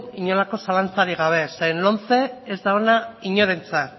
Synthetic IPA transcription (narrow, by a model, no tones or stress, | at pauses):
iɲo̞lako̞salant͡saɾiɣ̞aβ̞e̞sejnlo̞nt͡se̞ezd̪aonaiɲo̞ɾe̞nt͡sa